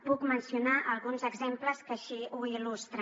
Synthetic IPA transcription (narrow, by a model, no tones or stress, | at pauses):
pukmənsiunaʔəlˠɣunzəɡzempləskəʃiuilust̪ɾə